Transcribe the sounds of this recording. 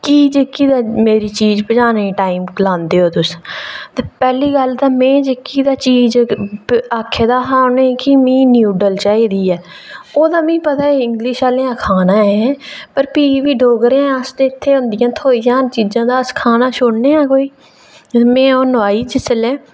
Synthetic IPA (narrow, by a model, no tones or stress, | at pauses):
kiːd͡ʒəkːiːd̪aːmeːɾiːt͡ʃiːd͡ʒpəd͡ʒaːnaːiːʈaːiːmklãːnd̪eːoːt̪ʊst̪eːpɛːliːɡəlt̪ãːmɛ̃ːd͡ʒəkːiːd̪aːt͡ʃiːd͡ʒ | aːkʰːeːd̪aːsãːonẽːkimĩːnjuːɖəlt͡ʃaːiːd̪iːɛː | oːd̪aːmĩːpət̪aːeːɪŋɡlɪʃaːlẽːãːkʰaːnãːɛɛ̃ːpəɾpiːʋiːɖʱoːɡəɾẽəst̪eːɪt̪ʰːeːɦʊ̃nd̪ɪjãːt̪ʰoːiːd͡ʒãːt͡ʃiːzãːd̪aːskʰaːnaːʃʊɽneːãːkoːiː | mɛ̃ːoːnʋaːiːd͡ʒɪsəlẽː